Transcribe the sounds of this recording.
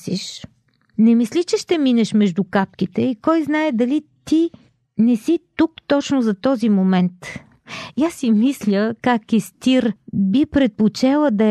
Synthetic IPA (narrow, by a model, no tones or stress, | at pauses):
sḭʃ | nɛmislʲit͡ʃɛʃt̪ɛminɛʃmɛʒd̪ukap̚k̟it̪ɛikɔjznaɛd̪ɐlit̪i | nɛsit̪ukt̪ɔt͡ʃnʊzɐt̪ɔzimomɛnt̪ | jasːimislʲəkakist̪iɾbipɾɛt̪̚pot͡ʃɛlˠəd̪ɐ